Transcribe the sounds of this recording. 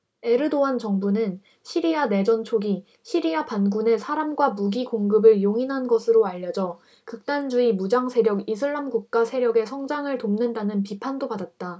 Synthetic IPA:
e̞ɾɯdoant͡ɕʌŋbunɯn | ɕʰiɾiane̞d͡ʑʌnt͡ɕʰoɡi | ɕʰiɾiapanɡune̞sʰaɾamɡwamuɡiɡoŋɡɯbɯɭjoŋinɦanɡʌsʰɯɾoaʎːʌd͡ʑʌ | kɯk̚t͈and͡ʑuimud͡ʑaŋsʰe̞ɾjʌɡisʰɯɭːamɡuk̚k͈asʰe̞ɾjʌɡe̞sʰʌŋd͡ʑaŋɯɭtomnɯndanɯnpipʰandopadat̚t͈a

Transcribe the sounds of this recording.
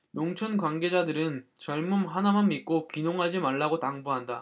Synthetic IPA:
joŋt͡ɕʰʌnkwanɡe̞d͡ʑadɯɾɯnt͡ɕʌɭmumɦanamanmik̚k͈opinoŋɦad͡ʑimaɭːaɡotaŋbuɦanda

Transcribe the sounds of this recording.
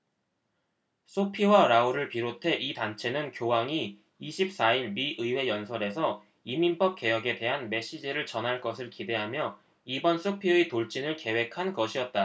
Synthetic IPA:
s͈ʰopʰiwaɾauɾɯɭpiɾotʰe̞ʔitant͡ɕʰe̞nɯnkjowaŋiː | ɕʰip̚s͈aiɭmiʔɯiwe̞jʌnsʰʌɾe̞sʰʌ | iminp͈ʌp̚k͈e̞jʌɡe̞de̞ɦanme̞ɕ͈id͡ʑiɾɯɭt͡ɕʌnɦaɭk͈ʌsʰɯɭkide̞ɦamjʌ | ibʌns͈ʰopʰietoɭt͡ɕ͈inɯɭke̞we̞kʰanɡʌɕʰiʌt̚t͈a

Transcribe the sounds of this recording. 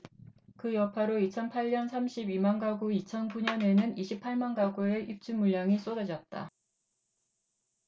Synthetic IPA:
kɯjʌpʰaɾoit͡ɕʰʌnpʰaɭɲʌnsʰamɕʰibimanɡaɡuit͡ɕʰʌnkuɲʌne̞nɯniɕʰipʰaɭmanɡaɡue̞ʔip̚t͡ɕ͈umuʎːaŋis͈odad͡ʑʌt̚t͈a̰

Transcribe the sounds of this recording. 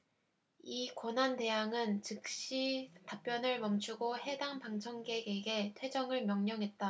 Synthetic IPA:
ikwʌnɦante̞jaŋɯnt͡ɕɯk̚ɕ͈itap͈jʌnɯɭmʌmt͡ɕʰuɡohe̞daŋpaŋt͡ɕʰʌŋɡe̞ɡeɡe̞tʰwe̞d͡ʑʌŋɯɭmjʌŋɲʌŋɦe̞t̚t͈a

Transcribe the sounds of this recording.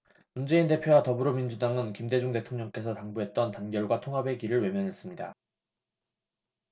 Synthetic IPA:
mund͡ʑe̞inde̞pʰjowatʌbɯɾomind͡ʑudaŋɯnkimde̞d͡ʑuŋte̞tʰoŋɲʌŋk͈e̞sʰʌtaŋbuɦe̞t̚t͈ʌntanɡjʌɭɡwatʰoŋɦabe̞ɡiɾɯɭwe̞mjʌnɦe̞s͈ɯmɲida̰

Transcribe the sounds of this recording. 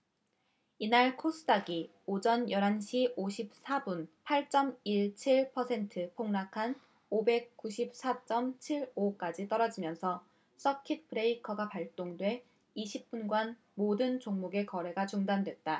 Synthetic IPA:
inaɭkʰos͈ʰɯdaɡi | od͡ʑʌnjʌɾɦanɕʰiʔoɕʰip̚s͈ʰabunpʰaɭt͡ɕ͈ʌmiɭt͡ɕʰiɭpʰʌsʰentʰɯpʰoŋnakʰan | obe̞k̚k͈uɕʰip̚s͈at͡ɕ͈ʌmt͡ɕʰiɭok͈ad͡ʑit͈ʌɾʌd͡ʑimjʌnsʰʌ | s͈ʌkʰit̚pʰɯɾeikʰʌɡapaɭt͈oŋdwe̞ | iɕʰip̚p͈unɡwan | modɯnt͡ɕoŋmuɡe̞kʌɾe̞ɡat͡ɕuŋdandwe̞t̚t͈a

